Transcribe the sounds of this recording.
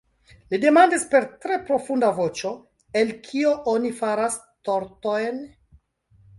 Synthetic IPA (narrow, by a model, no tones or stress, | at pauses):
lide̞mandispe̞ɾtɾe̞pɾo̞fundavo̞t͡ʃo̞ | e̞lkʰio̞ʔonifaɾas | to̞ɾto̞jn